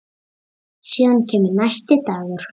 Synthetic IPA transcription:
ɕinkʲʰemnaʃt̪et̪aɣə̆r

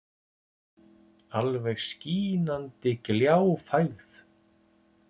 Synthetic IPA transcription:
alvɛɣsciːnant̪ɪkljawfajɣθ

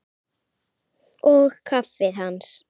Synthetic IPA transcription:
ɔɣkʰafɪðhans

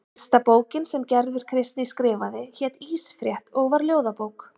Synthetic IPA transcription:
st̪apoːwcɪnsɛmcɛɾðʏɾ̥kʰɾɪst̪nɪiskɾɪːvaðɪçɛːt̪iːsfɾjɛht̪ɔɣvaɾljoːwðapowk

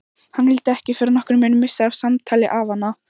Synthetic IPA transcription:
hanhɛlt̪ɪɛhcɪfɛːɾɪɾnɔhkɾʏmɪnʏmːɪsaavsamt̪ʰajlɪʔavhanːa

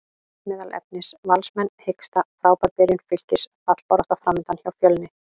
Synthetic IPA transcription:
mɪːðalʔɛ̰p̚nɪsvalsmɛnːhejkst̪afɾaːwpaɾpɛːɾʏnfʏl̥cɪsfat̪l̥paɾɔht̪afɾamɪnt̪ançawfjœːlnːɪ

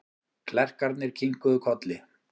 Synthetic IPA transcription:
kʰlɛr̥kaɾt̪nɪɾ̥cʰiŋkʏðʏkʰɔt̪lɪ

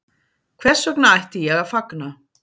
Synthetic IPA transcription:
kʰvɛ̥sœknaajht̪ɪjɛɣafakna

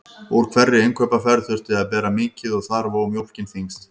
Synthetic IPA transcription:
ɔɾ̥kʰvɛrːɪejŋkʰœːpafɛɾθʏr̥t̪ɪaðpɛːɾamɪːcɪðɔɣθaɾvamjowl̥cɪnθiŋst̪

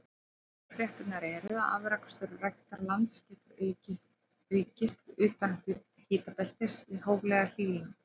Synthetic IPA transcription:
fɾjɛht̪ɪt̪naɾɛɾʏaða̰ːvɪɾakst̪œɾrajht̪aɾlant̪scɛːt̪ʏɾ | ʏɥcɪst̪ɾʏːt̪an | hɪːt̪apɛl̥t̪ɪ̥sɪðɦoːwɣlɛɣahiːɣlɪnɪ

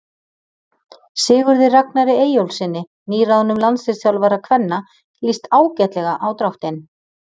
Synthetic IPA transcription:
sɪːɣʏɾðɪrak̚naɾɪeːjowlsɪnːɪ | niːɾaðnʏmlansvɪ̥sjawlvaɾakʰvɛnːa | list̪aːwcɛt̪lɛɣaʔawt̪ɾawht̪ɪn

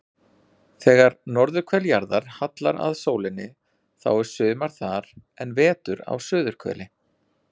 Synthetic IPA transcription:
θɛːɣaɾnɔɾðʏɾ̥kʰvɛljaɾðaɾ̥hat̪la̰ɾa̰ðsoːwlɪnːɪ | θa̰wɛɾ̥sʏːmaɾ̥θaɾ̥ɛnvɛːt̪ʏɾa̰wsʏːðʏɾ̥kʰvɛ̰lɪ

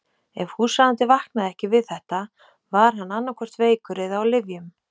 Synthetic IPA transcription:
ɛv̥husaːðant̪ɪvahknaðɛhcɪvɪðθɛht̪a | vaɾ̥ɦanːanːaɾkʰɔr̥t̪veːjkʏɾɪðawlɪvjʏm

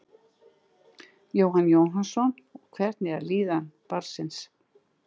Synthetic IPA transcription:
jowɦanːjowɦansɔnɔɣkʰvɛr̥t̪nɪaɾliːðanpaɾsɪns

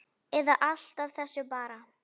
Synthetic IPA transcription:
ɛðaʔal̥t̪avθɛsːʏpaːɾa

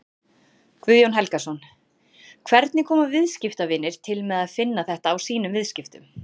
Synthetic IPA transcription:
kʰvʏðjownɦɛlkasɔn | kʰvɛɾt̪nɪkʰɔːmavɪðscɪft̪avɪnːɪɾ̥t̪ʰɪlmɛːðaðfɪnːaθɛht̪aːwsiːnʏmvɪðscɪft̪ʏm

